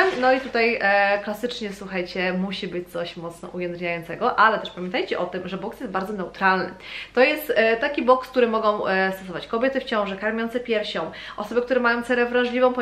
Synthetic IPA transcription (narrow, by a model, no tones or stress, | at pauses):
nɔit̪ut̪ajklasɘt͡ʂɲɛswuxajt͡ɕɛmuɕibɘt͡ɕt̪sɔɕmɔt̪snɔ̰ʔujɛnd̪ɲajɔnt̪sɛɡɔʔalɛt̪ɛʂpamʲjɛ̃nt̪ajt͡ɕɛʔɔt̪ɘmʐɛbɔksjɛst̪baɾd̪zɔnɛut̪ɾalnɘ̰t̪ɔjɛst̪t̪ːakʲibɔksk̚t̪uɾɘmɔɡɔ̃w̃st̪ɔsɔvat͡ɕkɔbʲjet̪ɘft͡ɕɔ̃w̃ʐɛkaɾmʲjɔnt̪sɛpʲjɛɾɕɔ̃w̃ | ʔɔsɔbɘkt̪uɾɛmajɔ̃w̃t̪sɛɾɛvɾaʐlʲivɔ̃w̃pɔ